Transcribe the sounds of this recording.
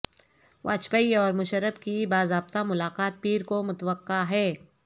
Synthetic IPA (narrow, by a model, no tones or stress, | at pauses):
ʋʔa̰ːt͡ʃpəiɔːɾmʊʃəɾːəbkibaːzaːb̚t̪amʊlaːqaːt̪̚piːɾkomʊt̪əʋəqːaɦɛː